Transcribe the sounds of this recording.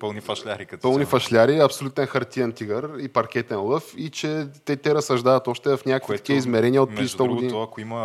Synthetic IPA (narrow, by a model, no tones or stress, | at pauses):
pəlˠnifɐʃlʲaɾikɐt̪pɤlˠnifɐʃlʲaɾiɐpsolʲut̪ɛnxɐɾt̪iɛnt̪iɡəɾipɐɾk̟ɛt̪ɛnlˠɤfit͡ʃɛt̪ɛt̪ɛɾɐsːɐʒd̪avɐt̪ɔʃt̪ɛvɐfnʲakəkvit̪ɐ̥kʲiəizmɛɾɛniəot̪ːizst̪ɔɡʊɡdinɐkʊimɐ